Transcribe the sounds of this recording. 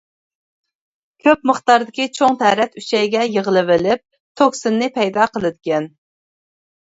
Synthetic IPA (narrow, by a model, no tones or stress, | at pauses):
kʲʰøpməχt̪ɑɾd̪ɪkʲit͡ʃʰoŋt̪ʰæɾɛt̪yt͡ʃɛjɡʲɛjəʁəlˠɨvɪlɪp̚ | t̪ʰoksɨnːɪpʰɛjd̪ɑqəlˠɨd̪ɪkʲɛn